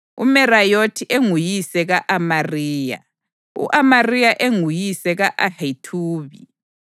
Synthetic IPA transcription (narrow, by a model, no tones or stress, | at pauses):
ṵmɛrajotʰiʔeŋujisɛɣaʔamariːja̰ | ṵʔamarijaʔeŋujisɛɣaʔahatʰuːβi